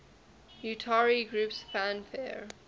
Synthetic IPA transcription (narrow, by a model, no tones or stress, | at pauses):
jutʰaɹiɡɹupsfæ̃nfɛɹ